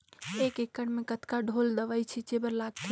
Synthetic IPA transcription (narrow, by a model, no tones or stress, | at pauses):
ekekːəɽmekət̪kaɖʱold̪əʋajt͡ʃʰit͡ʃebəɾlaɡ̚t̪ʰ